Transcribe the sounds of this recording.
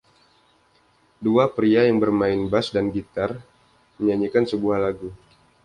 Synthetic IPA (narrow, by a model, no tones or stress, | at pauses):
duapɾiajaŋbərmaɪnbasdanɡit̪ar | məɲaɲikansəbuahlaɡu